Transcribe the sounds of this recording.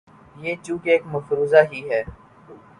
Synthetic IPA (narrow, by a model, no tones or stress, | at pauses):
jeːt͡ʃũːkeːkməfɾuːzaːɦiɦɛː